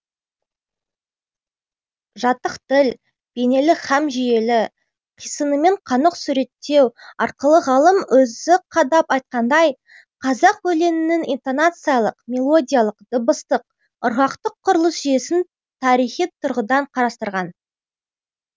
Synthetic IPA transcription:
ʒɑt̪əqt̪ɪl | b̥e̞ne̞lɪχɑmʒije̞lɪ | qʰijsənəme̞ɴqʰɑnəqsʉɾe̞t̪ːe̞wɑɾqəlˠəʁɑlˠəmɵzɪqʰɑd̪ɑpɑjt̪̚qɑnd̪ɑj | qʰɑzɑqwɵle̞mɪnɪŋijnt̪o̞nat̪sɨjalˠəqmʲe̞lˠo̞dʲijalˠəqd̪̥ʊbəst̪əq̚ | ʊɾɑqt̪əqʰːʊɾəlˠəsʒije̞sɪn | t̪ʰɑɾijχit̪ʰʊɾʁəd̪ɑɴqʰɑɾɑst̪əɾʁɑn

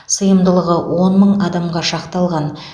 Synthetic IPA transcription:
səjəmd̪əlˠəʁəwʔo̞nməɴɑd̪ɑmʁɑʃɑqt̪ɑlˠʁɑn

